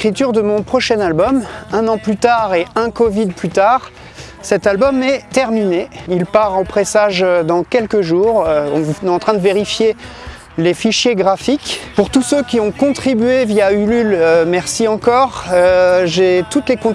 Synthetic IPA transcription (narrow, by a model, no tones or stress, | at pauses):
χit̪yʁd̪əmɔ̃pχɔʃɛnalbɔmɛ̃nɑ̃plyt̪aʁeɛ̃kɔvid̪plyt̪aʁ | sɛt̪albɔmɛt̪ɛʁmineilpaʁopχesaʒød̪ɑ̃kʲɛlkəʒuːʁøɔ̃vnɛɑ̃t̪χɛ̃d̪əveʁifje | lefiʃjeɡʁafikpuʁt̪usøkʲiɔ̃kɔ̃t̪χibɥevjaylylømɛʁsiɑ̃kɔʁøʒet̪ut̪lekɔ̃